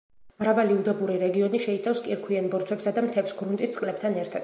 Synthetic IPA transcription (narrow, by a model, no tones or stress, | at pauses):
mɾavaliud̪ɛbuɾiɾɛɡiɔniʃɛit̪ʰafskʼiɾkʰwianbɔɾt̪ʰwɛpsad̪amt̪ʰɛpsɡɾunt̪ʼist̪sʼqʼlɛp̚t̪ʰanɛɾt̪ʰad̪̥̚